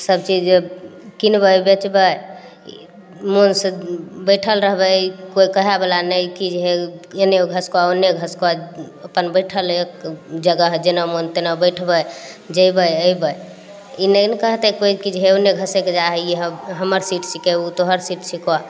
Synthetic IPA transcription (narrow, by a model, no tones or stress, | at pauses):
səb̚t͡ʃid͡ʒkinbəjbet͡ʃbə | monsəbəjʈʰəlɾəɦbəkoikəɦɛbelanəjkid͡ʒeɦeeneoɡʱəskoaonːeɡʱəskoa | əpənbəjʈʰəlekd͡ʒəɡəɦd͡ʒenamont̪enabəjʈʰbə | d͡ʒəjbəjəibə | inənkəɦt̪ɛkoikid͡ʒɦeonːeɡʱəseked͡ʒaɦəiɦɦəməɾsiʈsikeut̪oɦəɾsiʈsʰika